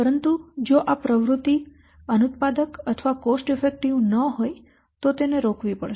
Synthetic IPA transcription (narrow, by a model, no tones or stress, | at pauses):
pəɾənt̪ud͡ʒoʔapɾəʋɾut̪i | ənut̪̚pad̪əkət̪ʰʋakosʈɪfek̚ʈiʋnəɦoj | t̪ot̪eneɾokʰʋipə̰ɭʃee